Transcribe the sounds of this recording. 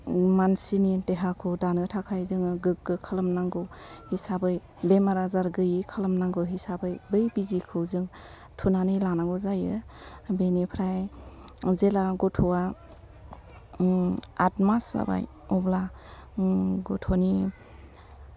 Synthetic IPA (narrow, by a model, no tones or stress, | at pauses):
mansinideɦakʰɯwdanɯtʰakʰajzɯŋɯɡɯk̚ɡɯkʰalɯmnaŋɡɯwhisabɯj | bemaɾazaɾɡɯjikʰalɯmnaŋɡɯwɦisabɯjbɯjbizikʰɯwzɯŋ | tʰunanɯjlanaɡɔzajɯbenepʰɾaj | zelaɡɔtʰɔwa | a̰tmasa̰ba̰j | ɔbla | ɡɔtʰɔni